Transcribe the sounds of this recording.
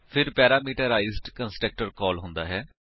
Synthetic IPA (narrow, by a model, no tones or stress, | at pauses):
pʰɪɾpɛːɾaːmiːʈəɾaːɪzʈkənsʈɾək̚ʈəɾkɔːlɦʊ̃nd̪a̰ːɦɛː